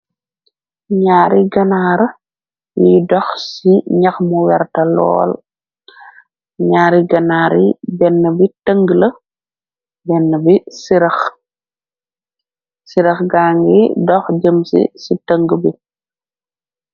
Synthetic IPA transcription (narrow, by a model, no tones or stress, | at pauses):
ɲaːɾiɡɐnaːɾ | jidɔxsiɲɐxmuwɛɾtɐlɔ̰ːl | ɲaːɾiɡɐnaːɾibɛnːəbitəŋɡlə | bɛnːəbisiɾɐx | siɾɐxɡaːŋɡidɔxɟəmsḭsitəŋɡbi